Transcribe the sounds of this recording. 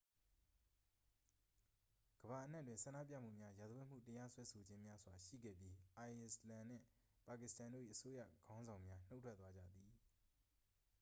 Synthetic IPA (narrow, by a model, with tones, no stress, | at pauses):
ɡ̥əba˨ʔəna˦ʔtwɪ̃˨sã˨ndä̰˦˨p̬jä̰˦˨m̥ṵ˦˨mja˦ja˨d̪zə˨wɪ̃˦˨m̥ṵ˦˨təja˦swɛ˦sʰo˨d͡ʑɪ̃˦mja˦z̥wa˨ʃḭ˦˨ɡɛ̰˦˨bji˦ʔa˨ɪ˨slã˨n̥ɪ̰̃˦˨ | pa˨kɪ˨stã˨ndo̰˦˨ḭ˦˨ʔəso˦jä̰˦˨ɡ̥ã˦ʊ̃nzã˨ʊ̃mja˦n̥o˦ʊtʰwɛ˦t̪wa˦d͡ʑä̰˦˨d̪i˨